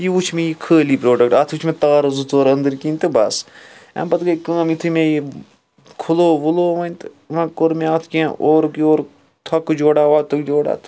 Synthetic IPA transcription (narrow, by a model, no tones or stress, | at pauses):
jiut͡ʃʰmẽjikʰəːliːpɾoːɖɐk̚ʈɐːt̪ʰut͡ʃʰmet̪aːɾɐzɨt̪ʰoːɾɐnd̪ɨɾkinʲt̪ɨbɐsɐ̰mbɐt̪ɡɐkɐ̃ːmit̪ʰɨmẽji | kʰuloːʋuloːʋɐnʲt̪ɨ̥ | ʋɐ̃koɾmeaːt̪ʰkʲẽːʔoːɾkioːɾ | t̪ʰɐkɨd͡ʒoːɽaːʋaːt̪ʰɨkd͡ʒoːɽa̰ːt̪ʰ